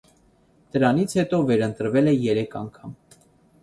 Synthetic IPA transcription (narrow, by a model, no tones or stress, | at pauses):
d̪̥əɾɑnit͡sʰhɛt̪ɔvɛɾənt̪əɾvɛlɛjɛɾɛkʰɑ̰ŋkʰɑm